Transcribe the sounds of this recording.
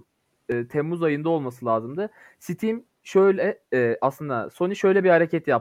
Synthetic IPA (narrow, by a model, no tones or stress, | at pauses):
ɯːt̪ʰɛmːuzajɯnd̪ao̞lˠmasɯlˠʲaːzɯmd̪ɯ | sit̪ʰim | ʃøjlʲɛʔaslˠɯnd̪a̰so̞niʃø̞jlʲɛbihaɾecʰɛt̪jap